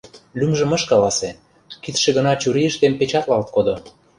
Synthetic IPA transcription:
lymʒə̆mə̆ʃkɑlɑse | kit̪ʃĕɣə̆nɑt͡ɕuɾiə̆ʃt̪empet͡ɕɑt̪lɑlt̪̚kod̪o

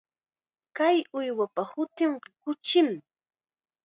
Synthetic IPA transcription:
kajʊjwapahʊt̪ɪɴɢɑkʊt͡ʃɪm

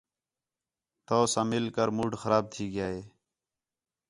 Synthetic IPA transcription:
t̪oːsãːmɪlkəɾmuːɖxəɾaːb̚t̪ʰiːɡjaːeː

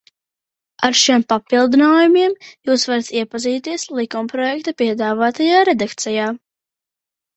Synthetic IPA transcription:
aɾʃiɛmpapilˠd̪inaːjumiɛmjuːsvaɾat̪iɛpaziːt̪iɛslˠikumpɾɔjɛkt̪apiɛd̪aːvaːt̪ajaːɾed̪akt̪sɛjaː

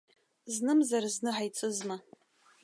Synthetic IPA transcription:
znɨmzarznɨħajt͡sʰʼɨzma

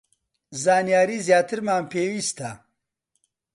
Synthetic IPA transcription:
zaːnjaːɾiːzjaːt̪ʰɨɾmaːmpʰeːwist̪ʰa

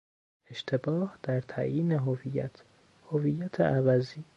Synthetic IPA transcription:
eʃt̪ʰebɒːhd̪̥æɾt̪ʰæ̰jiːneɦovijæt̪ʰ | hoviːjæt̪ʰeʔævæziː

